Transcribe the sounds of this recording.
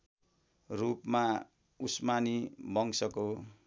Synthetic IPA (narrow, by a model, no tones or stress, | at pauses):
rupma | usmanibʌŋsʌko